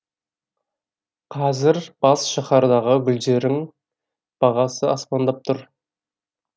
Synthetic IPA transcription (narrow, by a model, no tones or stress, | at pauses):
qʰɑzɪɾb̥ɑsʃɑχɑɾd̪ɑʁəbɵld̪eɾɪŋ | b̥ɑʁɑsəɑspɑnd̪ɑp̚t̪ʰʊɾ